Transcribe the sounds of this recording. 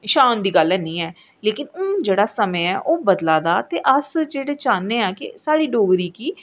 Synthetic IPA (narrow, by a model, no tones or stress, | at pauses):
ʃaːnd̪iːɡəlːɛːnĩːɛː | leːkɪnõːd͡ʒeːɽaːsəmeːɛ̰ːʔoːbəd̪laːd̪aːt̪eːʔəsd͡ʒeːɽeːt͡ʃaːnːeːãːkɪ̰saːɽiːɖoːɡɾiːkiː